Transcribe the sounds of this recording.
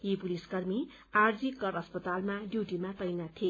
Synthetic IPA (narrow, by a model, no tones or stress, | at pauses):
jipuliskʌrmi | ard͡zikːʌɾʌspʌt̪almaɖjuʈimat̪ʌjnat̪ʰie